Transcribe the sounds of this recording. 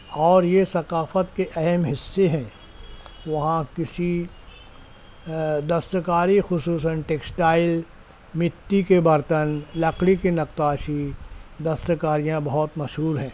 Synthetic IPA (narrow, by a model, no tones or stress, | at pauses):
ɔːɾjesɐkaːfət̪keʔɐɦɛmɦɪsːeɦɛ̃ː | ʋɐɦãkɪsi | d̪ɐst̪əkaːɾixʊsuːs̬ənʈeːksʈaːɪl | mɪt̪ːikebɐɾt̪ənlɐkɽikinɐk̚t̪aːʃid̪ɐst̪əkaːɾijãbɐɦɔt̪mɐʃɦuːɾɦɛ̃ː